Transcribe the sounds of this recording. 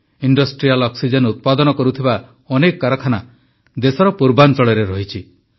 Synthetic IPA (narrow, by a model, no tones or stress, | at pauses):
iɳɖɔsʈɾialɔksid͡ʒɔnut̪̚pad̪ɔnɔkɔɾut̪ʰiba | ɔnekɔkaɾɔkʰana | d̪esɔɾɔpuɾbant͡ʃɔɭeɾeɾɔɦit͡ʃʰi